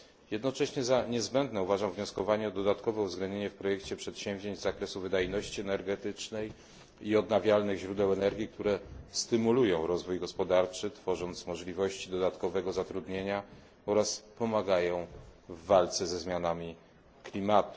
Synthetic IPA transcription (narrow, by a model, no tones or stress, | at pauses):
jɛd̪nɔt͡ʂɛɕɲɛzaɲɛzbɛnd̪nɛuvaʐamvɲɔskɔvaɲɛɔd̪ɔd̪at̪kɔvɛuvzɡlɛnd̪ɲeɲɛfpɾɔjɛkt͡ɕɛpʂɛt̪ɕɛ̃w̃vʲʑeɲd͡ʑzakɾɛsuvɘd̪ajnɔɕt͡ɕiɛnɛɾɡɛt̪ɘt͡ʂnɛj | iɔd̪navʲjalnɘɣʑɾud̪ɛwɛnɛɾɡʲikt̪uɾɛst̪ɘmulujɔ̃w̃ɾɔzvujɡɔspɔd̪aɾt͡ʂɘt̪fɔʐɔnt̪smɔʐlʲivɔɕt͡ɕid̪ɔd̪at̪kɔvɛɡɔzat̪ɾud̪ɲeɲa | ɔɾaspɔmaɡajɔ̃w̃vːalt̪sɛzɛzmʲjanamʲi | klʲimat̪u̥